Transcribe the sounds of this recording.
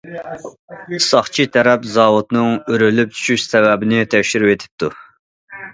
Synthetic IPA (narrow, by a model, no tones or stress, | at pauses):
ɨsɑχt͡ʃʰit̪ʰɛɾɛpzɑːwut̪nɨŋøɾylyp̚t͡ʃ̪ʰy̥ʃyʃsɛvɛbɪnɪt̪ʰɛkʲʃiɾvet̪ʰɪ̥p̚t̪ʰu